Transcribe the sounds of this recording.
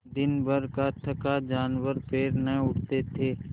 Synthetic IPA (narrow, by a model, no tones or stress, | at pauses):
d̪ɪnbəɾkaʈʰəkad͡ʒaːnwəɾpeːɾnəʊʈt̪et̪ʰeː